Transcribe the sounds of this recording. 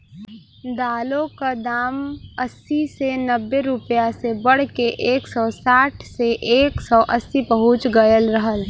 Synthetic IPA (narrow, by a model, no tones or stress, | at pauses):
d̪aːlõkad̪aːməsisenəbːeɾʊpəjasebəɽ̤keʔeːksɔːsaːʈʰseʔeːksɔːʔəsːipəɦʊt͡ʃɡəjəlɾəɦəl